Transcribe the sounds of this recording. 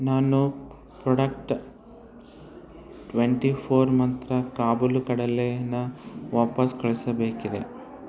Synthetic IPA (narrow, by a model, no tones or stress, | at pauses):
naːnu | pɾɔɽɐkʈ | ʈʋeɳʈipʰoːɾmɐnt̪ɾɐkaːbulukɐɽɐleɐnɐʋaːpɐskɐɭisɐbeːkid̪e̞